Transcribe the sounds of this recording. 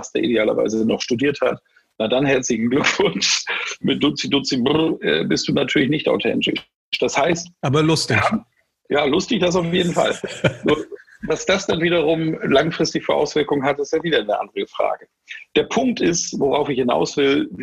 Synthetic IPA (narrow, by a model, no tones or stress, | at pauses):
stdḛɐʔḭdeaːlɐ̰va̰ɪzənɔχʃtudiːɐthat | nadanhɛɐt͡slɪçn̩ɡlʏkv̥ʊnʃmɪt̚d̥ʊt͡sid̥ʊt͡sibʊʔɛ̰ːbɪstd̥uːnatʰyɐlɪç̬nɪçta̰ʊtʰɛ̰ntɪ̰ | ʃd̥ashaɪstʔaːbɐlʊstɪa | jaːlʊstɪçd̥as̬aʊfjeːdn̩fa̰lnuːɐ | vasd̥asd̥anviːdɐʁ̞ʊmlaŋfʁ̥ɪstɪçfyːɐʔa̰ʊsv̥ɪɐkʊŋənɦatɪstjaːviːdɐnəʔa̰ndʁəəfʁ̥a̰ːɡə | d̥eːɐpʰʊŋk̚tɪstvoʁaʊfɪçhɪna̰ʊsv̥ɪl